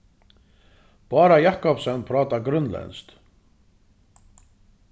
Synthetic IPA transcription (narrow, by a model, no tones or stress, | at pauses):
paːɾajaːhkɔpsœnːpʰɾaːt̪aɡɾʏnlɛ̰nst̪